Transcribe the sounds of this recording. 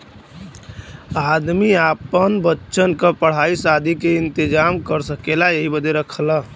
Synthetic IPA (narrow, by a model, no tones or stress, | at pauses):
ad̪miaːpənbətːʃənkəpəɽ̤aːisad̪ʱikeɪnt̪ɪd͡ʒaːmkəɾsəkelajeɦibəd̪eɾəkʰəla